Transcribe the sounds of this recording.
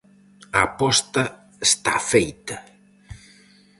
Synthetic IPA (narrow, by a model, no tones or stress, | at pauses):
apɔst̪ɐ | est̪a̰fejt̪ɐ